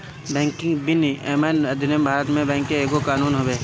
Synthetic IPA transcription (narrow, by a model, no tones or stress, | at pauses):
bɛ̃ːŋkɪ̃ŋbɪniʔeːmaːnɐd̪ʱɪnembʱaːɾət̪mẽbɛ̃ːŋkːeeːkokaːnuːnɦoʋeː